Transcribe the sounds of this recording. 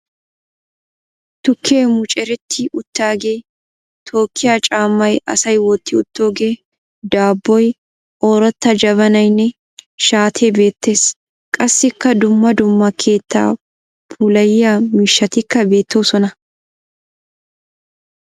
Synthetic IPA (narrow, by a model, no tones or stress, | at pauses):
t̪ʊkʰːeːmʊt͡ʃʼɛɾɛt̪ʰːɪʔʊt̪ːaːɡeː | t̪ʰo̞ːkʰːɪjaːt͡ʃʼaːmːɐjɐ̰sɐjwɔt̪ːɪʊt̪ːo̞ːɡe̞ː | d̪aːbːɔj | oːɾɔt̪ːɐd͡ʒɐbɐnɐjnːɛ | ʃaːt̪ʰeːbe̞ːt̪ːe̞ːs | kʼɐsːɪkːɐd̪ʊmːɐd̪ʊmːɐkʰe̞ːt̪ːa̰ː | pʰuːlɐjːamɪʃːɐt̪ɪkːɐbe̞ːt̪ʰːoːsɔnɐ